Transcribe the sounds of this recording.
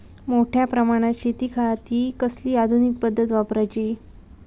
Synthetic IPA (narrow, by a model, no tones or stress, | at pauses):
moʈʰjapɾəmaɽ̃at͡ɕit̪iːkʰat̪iːkəsliːad̪ʱunik̚pəd̪ʱːət̪ʋapɾajt͡ɕiː